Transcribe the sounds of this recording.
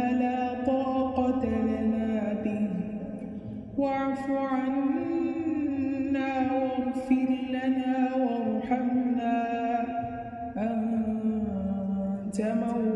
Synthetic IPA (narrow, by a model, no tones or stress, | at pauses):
alaːt̪ˤɑːqɑt̪aalaːbɪh | waʕfuʕan | nːaːwaɣfɪɾlanaːwɑɾˤħamnaː | ʔam | d͡ʒama